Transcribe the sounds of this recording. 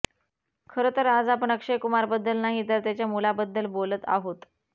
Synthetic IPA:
kʰəɾət̪əɾad͡zapəɳəkʂejkumaɾbəd̪ːəlnaɦit̪əɾt̪jat͡ɕjamulabəd̪ːəlbolət̪a̰ɦot̪

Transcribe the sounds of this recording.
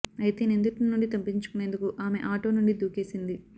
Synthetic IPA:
ɐjt̪eːnend̪uʈinːuɳɖit̪ɐmpiɲt͡ʃu̥kune̞ːnd̪ukuʔaːme̞̰ʔaːʈo̞ːnuɳɖid̪uːke̞ːsind̪i

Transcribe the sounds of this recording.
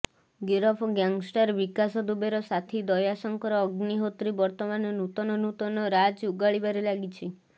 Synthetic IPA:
ɡeɾɔpʰɔɡjaŋɡsʈaɾbikasɔd̪ubeɾɔsat̪ʰid̪ɔjasɔŋkɔɾɔːɡniɦot̪ɾibɔɾt̪ɔmanɔnut̪ɔnɔnut̪ɔnɔɾad͡ʒuɡaɭibaɾelaɡit͡ʃʰi

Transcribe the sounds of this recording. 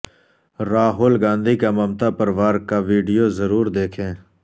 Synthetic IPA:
ɾaːɦʊːlɡãːnd̪iːkaməmt̪aːpəɾʋaːɾkaʋiːɖijoːzəɾuːɾd̪eːkʰẽː

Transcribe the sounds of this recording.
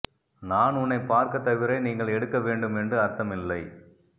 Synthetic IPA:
naːnʊnːɐɪpːaːɾkɐt̪ːɐʋɪɾɐɪniːŋɡɐɭɛɽɯkːɐʋeːɳɖɯmɛndrɯɐɾt̪ɐmɪlːɐɪ

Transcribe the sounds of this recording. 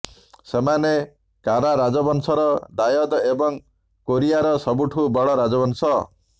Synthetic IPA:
semane | kaɾaɾad͡ʒɔbɔnsɔɾɔd̪ajɔd̪ebɔŋ | koɾijaɾɔsɔbuʈʰubɔɽɔɾad͡ʒɔbɔnsɔ

